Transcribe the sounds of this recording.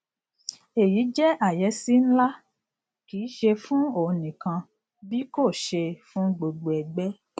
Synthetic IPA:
e˨ji˨˦d͡ʒɛ˦ʔa˦˨jɛ˨˧˦si˦n̩˦la˦ | kiː˨˦ʃe˧fũ˦o˦˨nĩ˨kã˧ | bi˦ko˦˨ʃe˧fũ˦ɡ͡bo˧ɡ͡bo˨ɛ˨ɡ͡bɛ˦

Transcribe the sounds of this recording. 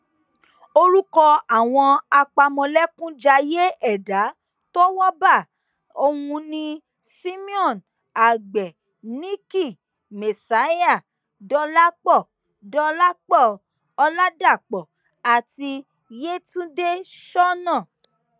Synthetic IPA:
o˧ɾu˦kɔ˧a˦˨w̃ɔ̃˧a˧k͡pa˧mɔ̃˧lɛ˦kũ˦d͡ʒa˧je˦ɛ˦˨da˨˦ | to˦wɔ˦ba˦˨ | o˧hũ˧nĩ˧ | si˦mĩ˦ɔ̃˦˨n | a˨ɡ͡bɛ˨ | nĩ˦ki˦˨ | me˨sa˨˦a˦˨ | dɔ˧la˦k͡pɔ˦˨ | dɔ˧la˦k͡pɔ˦˨ | ɔ˧la˦da˦˨k͡pɔ˨ | a˨ti˧ | je˦tũ˦de˦ | ʃɔ˦nã˦˨

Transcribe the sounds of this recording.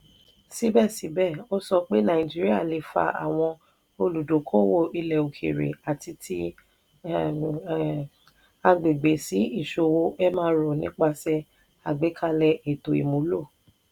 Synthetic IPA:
si˨˦bɛ˦˨si˨˦bɛ˦˨o˦sɔ˧k͡pe˦nã˨ĩ˨d͡ʒi˦ɾi˦a˦˨le˧˨fa̰˧ʔa̰˨w̃ɔ̃˧ | o˧lu˨do˨˦kʰõ˦wo˦˨ʔi˧lɛ˨o˨kʰḛ˨ɾḛ˨a˨ti˧tʰi˧ | a˧ɡ͡be˨ɡ͡be˨si˨˦i˦˨ʃo˧wo˧ɛ˦mãː˦ɾo˨nĩ˦k͡pa˧sɛ˧ | a˨ɡ͡be˨˦kʰa˧lɛ˧ʔe˨to˨ḭ˨mũ˨˦lo˦˨

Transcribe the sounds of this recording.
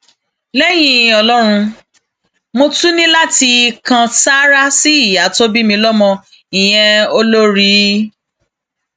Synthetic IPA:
lɛ˦j̃ĩ˧ɔ˧lɔ˦ɾ̃ũ˧ | mo˧tu˦nĩ˦la˦ti˧kã˧sa˦ɾa˦si˦i˦˨ja˨˦to˦bi˦mĩ˧lɔ˦mɔ̃˧ | ĩ˨j̃ɛ̃˧o˧lo˦ɾi˦

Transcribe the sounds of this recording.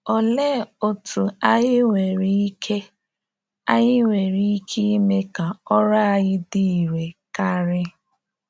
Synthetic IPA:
ɔ˨le˦˨o˨tu˨a˦jɪ˦wʷe˨ɾi˦i˦kʰe˦ | a˦ɲɪ˦wʷe˨ɾi˦i˦kʰi˦me˦ka˨ɔ˦ɾa˦a˨ɣɪ˦di˦˨i˨ɾe˨ka˦ɾɪ˦

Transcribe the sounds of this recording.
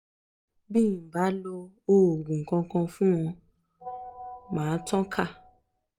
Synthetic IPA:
bĩ˦˨ba˨˦lo˧ | o˦o˨ɡũ˨ŋ̩˨kɔ̃˧kɔ̃˧fũ˦w̃ɔ̃˧ | mãː˨˦tɔ̃˦kʰa˦˨

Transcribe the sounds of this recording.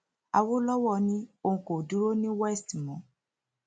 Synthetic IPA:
a̰˧wo˦lɔ˦wɔ˦˧˨nĩ˦o˧ũ˧ko˨du˨˦ɾo˦nĩ˦wɛ˦sti˨mɔ̃˨˦

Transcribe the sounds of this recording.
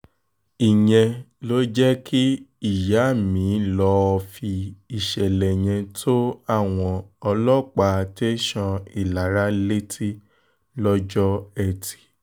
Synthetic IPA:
i˨j̃ɛ̃˧lo˦d͡ʒɛ˦ki˦i˦˨ja˨˦˨mĩː˨˦lɔ˧˦ɔ˧fi˧i˨ʃɛ˨lɛ˨j̃ɛ̃˧tʰo˦a˦˨w̃ɔ̃˧ɔ˧lɔ˦˨k͡pa˧te˦ʃɔ̃˧i˨la˨ɾa˦le˦tʰi˦ | lɔ˦d͡ʒɔ˦ɛ˦˨ti̥˨

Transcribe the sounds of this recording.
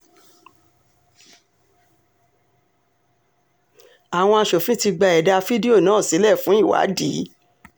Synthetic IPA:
a˨w̃ɔ̃˧a˧ʃo˨fĩ˦ti˧ɡ͡ba˧˨ɛ˨da˧fi˦di˦o˦˨nãː˨˦˨si˨˦lɛ˦˨fũ˨˦i˦˨wa̰˨˦di˨˦

